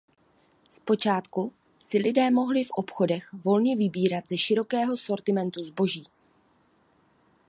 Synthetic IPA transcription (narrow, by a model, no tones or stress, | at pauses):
spo̞t͡ʃaːt̪ku | sɪlɪdɛːmo̞ɦlɪfʔo̞pxo̞dɛxvo̞lɲɛvɪbiːɾat̪z̥ɛʃɪɾo̞kɛːɦo̞so̞ɾt̪ɪmɛnt̪uzbo̞ʒiː